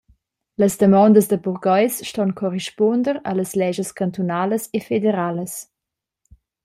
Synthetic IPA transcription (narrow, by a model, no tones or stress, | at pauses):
ləsd̪əmɔnd̪əsd̪əbuʁɡɔjsʃtɔnkʰɔɾeʃpɔnd̪əɾɐləslɛʒəskant̪unaːləsefedeɾaləs